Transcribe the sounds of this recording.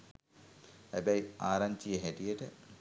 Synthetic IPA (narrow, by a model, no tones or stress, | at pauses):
hæbæjaːɾaɲt͡ʃijəɦæʈijəʈə